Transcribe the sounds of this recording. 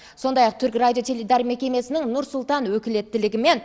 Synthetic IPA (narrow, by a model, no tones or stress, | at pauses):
so̞nd̪ɑjɑq̚t̪ʰʏɾkrad̪ʲijo̞t̪ʲʰelʲed̪ɑɾme̞kʲe̞me̞sɪnɪŋnʊɾsʊlˠt̪ɑnwɵkʲɪle̞t̪ːɪlɪɡʲɪme̞n